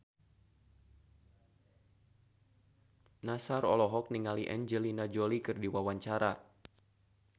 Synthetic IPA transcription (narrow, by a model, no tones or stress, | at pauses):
nasaɾɔ̰lɔɦɔk̚niŋaliʔɛ̰nd͡ʒəlinad͡ʒolikɨrdiwawaɲt͡ʃaɾa